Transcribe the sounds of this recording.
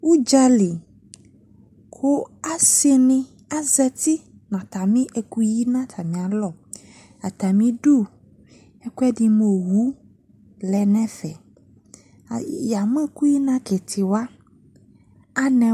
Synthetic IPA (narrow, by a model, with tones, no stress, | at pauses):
wu˦d͡ʒa˦li˨ | kʰo˦a˦si˦nĩ˦ | a˦zɛ˦t̪i˦ | nã˨t̪a˨mĩ˦ʔe˨ku˦ji˦nã˦t̪ʰa˨mĩ˨a˨lɔ˨ | a˨t̪a˨mĩ˦ɖu˦˨ | ɛ˦ku˦ɛ˦ɖi˦mo˨wu˦ | lɛ˨nɛ̃˦fɛ˨ | ja˨mɛ̃˦ku˦ji˦nã˦ke˨t̪ʰi˨wa˦ | a˦nɛ̃˨